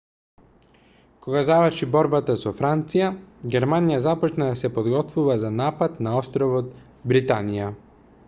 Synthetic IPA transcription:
kɔɡazavəɾʃibɔɾbat̪asɔfɾant̪sijaɡʲɛɾmanijazapɔt͡ʃnad̪asɛpɔd̪ɡɔt̪vuvazanapat̪naɔst̪ɾɔvɔt̪ | bɾit̪anija

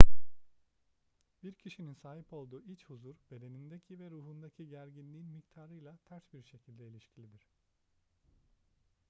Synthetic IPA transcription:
b̥iɾcʰiʃininsaːɦipo̞lˠd̪uːit͡ʃhuzuɾbe̞d̪e̞nind̪ecʰivɛɾuːɦund̪acʰiɟæɾɟinlʲiːnmict̪ʰaːɾɯjlˠat̪ʰæɾsbiɾʃe̞cʰilʲd̪ɛilʲiʃcʰilʲid̪iɾ̥

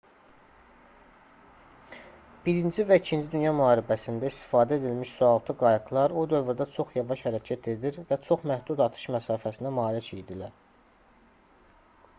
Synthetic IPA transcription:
b̥iɾind͡ʒivæicʰind͡ʒid̪ynjɑmyɑːɾibæsind̪æist̪i̥fɑːd̪æed̪ilmiʃsuɑlˠt̪ʰɯɡɑjɯklˠɑɾod̪ø̞vɾd̪ɑt͡ʃʰo̞χjɑvɑʃhæɾæcʰæt̪ʰe̞d̪iɾvæt͡ʃʰo̞χmæhd̪ud̪ɑt̪ʰɯ̥ʃmæsɑːfæsind̪æmɑːlicʰejd̪ilæɾ

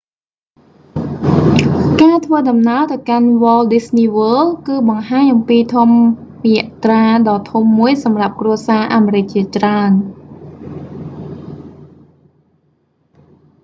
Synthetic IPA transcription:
kaːt̪ʰʋəːɗɑmnaət̪awkanʋəːlɗisniːʋəːlkɨːɓɑŋɦaːɲʔɑmpiːt̪ʰumrɛəʔt̪raːɗɑːt̪ʰumːuəjsɑmrap̚kruəsaːʔaːmeːɾɨc̚t͡ɕiət͡ɕraən

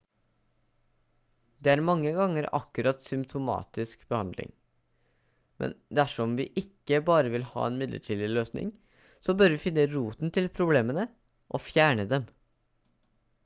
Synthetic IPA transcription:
d̪ɛːæːɾmɑŋːəɡɑŋːəɾɑ̰kːʉɾɑt̪sʏmpt̪ʰʊmɑ̰ːt̪ɪskbəhɑnd̪lɪ̰ŋ | mʔɛ̰nd̪ææʂɔmʋɪːʔɪkːəbɑːɾəʋɪlhɑ̰ːenmɪd̪lə̰ʈʰiːlɪløːsnɪ̰ŋ | sɔbœɾʋɪfɪnːəɾuːt̪nt̪ʰɪlpʰɾʊbleːmənə | ʔɔfjæːɳəd̪ɛm

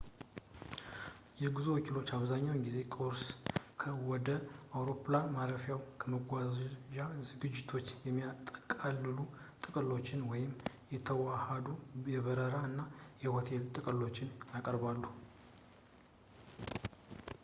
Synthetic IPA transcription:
jɛɡɨzuwɔkʰilo̞t͡ʃːaβzaɲːawnɡize̞kʼoɾskʰəwɔd̪əawɾo̞planmaɾəfjawkʰəməɡʷazʒazɨɡɨd͡ʒːɪt̪ʰo̞t͡ʃːjɛmːijat̪ʼəkʼalːɨlut̪ʼɨkʼəlo̞t͡ʃːɪnwɔjɪm | jɛt̪ʰəwahad̪ujɛβəɾəɾaɨnːajɛhot̪ʰe̞lt̪ʼɨkʼəlo̞t͡ʃːɪnjakʼəɾbalːu

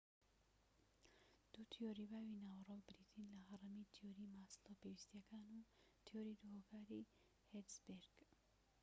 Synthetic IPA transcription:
d̪̥ut̪ʰijoɾibawinawɾobɾit̪ʰinlaɦaɾamit̪ʰijoɾimaslopewist̪jakʰanu | t̪ʰijoɾid̪uɦokaɾi | hedsbeɾɡ

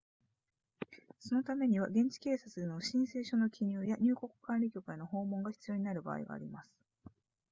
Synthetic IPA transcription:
so̞no̞t̪ame̞ɲ̟iβ̞aɡẽ̞ɲ̟t͡ɕi̥ke̞ːsat͡sɨeno̞ɕĩɰ̃se̞ːɕo̞no̞kʲʰiɲ̟ɯːjaɲ̟ɨːko̞kɯ̟̥kãnɾʲikʲo̞kɯ̟e̞no̞ho̞ːmõ̞ŋɡaçi̥t͡sɨjo̞ːɲ̟inaɾɯ̟ba̰ːḭɡa̰ːɾʲimasɨ̥

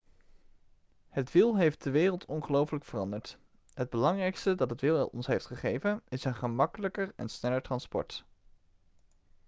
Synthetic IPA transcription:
hətʋɪlˠɦejft̚dəʋɪːrəlˠtʰɔnχəlowfələkfərɑ̰ndəɹt | ɦəd̚bəlɑŋrɛjkstədɑtɦətʋɪlˠɔ̰nsɦejftχəχejvənɪsənχəmɑkələkərɛ̰nsnɛləɹtrɑnspɔ̰ɹt

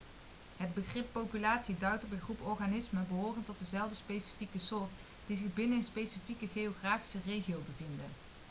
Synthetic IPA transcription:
ɦəd̚bəχrɪpːowpylaːtsidœɥtɔpənχrupɔɹχanɪsməbəɦʊːrəntɔt̚dəzɛlˠdəspejsi̥fikəsʊːrt | d̥izɪχbɪnənənspejsifikəχejoχraːfi̥sərejχiowbəvɪndə

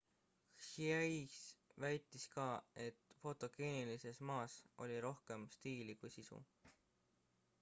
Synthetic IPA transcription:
ʃieisvæjt̪ˑːiskɑːe̞t̪ːˑfo̞t̪ˑo̞ɡ̥eːnilise̞smɑːsʔo̞̰lʲiɾo̞hke̞mst̪iːlikujsisṵ

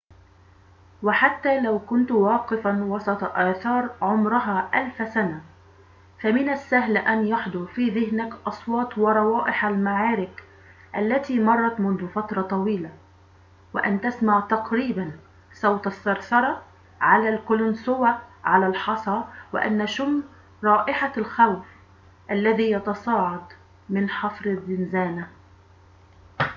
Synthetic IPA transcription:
wɪħat̪ːaːlawkʊnt̪wɑːqɪfanwɑsˤɑt̪ˤɑʔaːθɑːɾˤʕʊmɾʊɦaːʔalfsana | famɪnasːaɦlʔanjaħd̪ˤʊɾfiːðɪhnakʔɑsˤwɑːt̪ˤwɑɾˤɑwɑːʔɪħalmaʕɑːɾɪk | ʔalːat̪iːmɑrˤːɑt̪mʊnðʊfat̪ɾˤɑt̪ˤɑwiːla | wɪ̰ʔa̰nt̪asmaʕt̪aqɾiːban | sawt̪ɑsːɑɾsɑɾˤɑ | ʕalalkʊlʊnsʊwaʕalalħɑsˤɑwɪ̰ʔa̰nːaʃʊm | ɾˤɑːʔɪħalxawf | ʔalːaðijɑt̪ɑsˤɑːʕɑd̪ | mɪnħɑfɾɪðːɪnzaːna

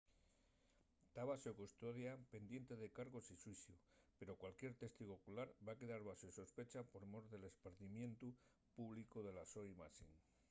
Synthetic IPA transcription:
t̪aβasokust̪o̞ðjape̞nd̪je̞nt̪e̞ðe̞kaɾɣo̞siswiθjupe̞ɾo̞kwalkje̞ɾt̪e̞st̪iɣokulaɾbake̞ðaɾβasoiso̞spe̞t͡ʃapo̞ɾmoɾðe̞le̞spaɾθimjẽ̞nt̪u | puβlikuðe̞laso̞jmasḭn

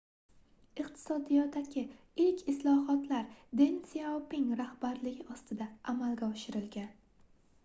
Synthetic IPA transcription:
ɪqt̪ʰɪ̥sɒd̪ijɒt̪ːaɡʲɪ | ɪlkʲʰɪslˠɒɦɒt̪laɾd̪ensiaopɪŋɾahbaɾlɪɡʲɪɒst̪ɪd̪aʔamalˠɡʲaɒʃɪɾɪlɡʲan

